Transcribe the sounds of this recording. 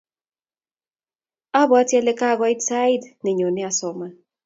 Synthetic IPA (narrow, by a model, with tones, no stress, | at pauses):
a˦bɔ˨a˦tjɛ˦lɛ˦ka˦˨ɡɔ˦ɪ˦dsa˦ɪ˦dnɪ˨ɲo˨nɪ˦a˨sɔ˨ma˦